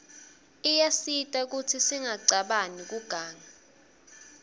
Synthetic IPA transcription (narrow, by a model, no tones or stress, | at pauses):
ijasitʼak̬utʰisiŋaǀaɓanik̬uɡ̥ʱaːŋa